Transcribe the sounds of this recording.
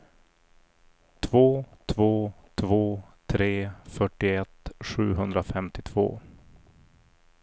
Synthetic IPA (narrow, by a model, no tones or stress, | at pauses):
t̪ʰvoːt̪ʰvoːt̪ʰvoːt̪ʰɾeːfœʈːɪɛt̪ːɧʉ̟ːɦɵnd̪ɾafɛmt̪ɪt̪ʰv̥o̰ː